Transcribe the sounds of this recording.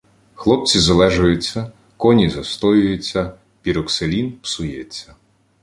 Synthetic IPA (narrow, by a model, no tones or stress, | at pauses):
xlˠɔp̚t͡sʲizɐlˠɛʒɐjʊt͡sʲːɐ | kɔnʲizɐst̪ɔjʊjʊt͡sʲːɐ | pʲiɾɔkselʲinpsʊjɛt͡sʲːɐ